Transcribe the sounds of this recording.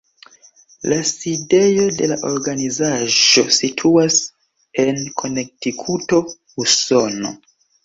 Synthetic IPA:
laside̞jo̞de̞laʔo̞ɾɡanizaʒo̞sitʰuas | e̞nkʰo̞ne̞k̚tikʰuto̞ | uso̞no̞̰

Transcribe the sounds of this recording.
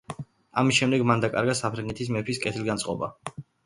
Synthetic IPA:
amisʃɛmd̪ɛɡmand̪akʼa̰ɾɡasapʰɾɛŋɡɛt̪ʰis̬mɛpʰiskʼɛt̪ʰilɡant̪sʼqʼɔba̰

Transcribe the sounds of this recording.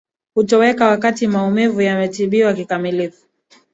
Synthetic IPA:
hutɔwɛkawakatimaumivujamɛtiɓiwakikamilifu

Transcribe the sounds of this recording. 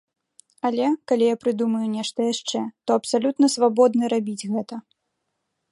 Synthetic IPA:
alʲɛkalʲijapɾɨd̪umɐjunʲɛʂt̪ɐjaʂt͡ʂɛt̪ɔɐpsalʲut̪nɐsvabɔd̪nɐɾabʲid͡zʲɣɛt̪ɐ

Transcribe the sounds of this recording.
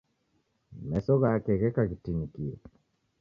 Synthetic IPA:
mɛsɔɣaːkɛɣɛkakitinikiɛ̰

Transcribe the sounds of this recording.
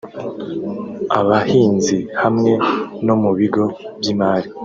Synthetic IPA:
aβahiːnzihamŋe̞no̞muβiɡo̞bjimaːɾi

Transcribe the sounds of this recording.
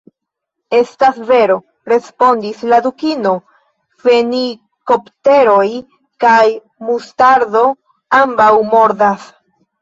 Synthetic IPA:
e̞stasve̞ɾo̞ | ɾe̞spo̞ndislad̪ukino̞ | feni | ko̞pte̞ɾo̞j | kaj | mustaɾdo̞ | ambawmo̞ɾdas

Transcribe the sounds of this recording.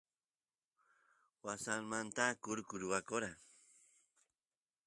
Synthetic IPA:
wasaŋmant̪akʊɾkʊɾʊwakoɾa

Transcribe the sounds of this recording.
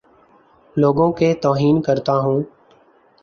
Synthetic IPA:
loːɡõkeːt̪oːɦiːnkəɾt̪aːɦũː

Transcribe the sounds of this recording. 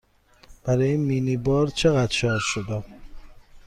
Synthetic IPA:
b̥æɾɒːjinmiːnibɒːɾt͡ʃʰeɣæd̪ʃɒːɾʃod̪æm

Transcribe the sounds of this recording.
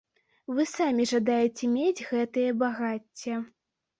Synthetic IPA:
vɨsamʲiʐad̪ajɛt͡sʲɛmʲed͡zʲɣɛt̪ɨjɐbaɣat͡sʲːɛ

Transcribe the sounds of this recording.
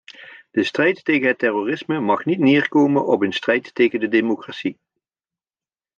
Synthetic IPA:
d̥əstrɛjtːejχənɦətɛroːrɪsməmɑχnitnɪːɹkowmənɔpənstrɛjttejɣəndədeːmokratsi

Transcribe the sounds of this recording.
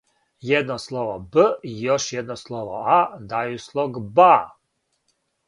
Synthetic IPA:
jed̪noslˠoʋobəijoʃjɛd̪noslˠoʋo̰ad̪ajuslˠoɡba

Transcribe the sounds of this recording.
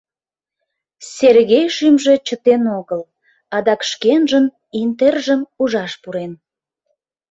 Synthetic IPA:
sʲerɣejʃymʒe̽t͡ɕət̪enoɣəl | ɑd̪ɑkʃkenʒəm | int̪erʒəmuʒɑʃpuɾen

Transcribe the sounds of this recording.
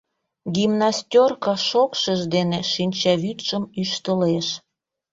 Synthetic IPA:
ɡimnasʲtʲorkɑʃokʃəʒd̪eneʃinʲt͡ɕɑβyt̪ʃəmyʃt̪əleʃ

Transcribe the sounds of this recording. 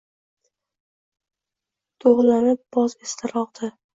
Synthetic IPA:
t̪ʰoʁlanɪp̚b̥ɒzest̪ʰɪɾɒqd̪̥ɪ

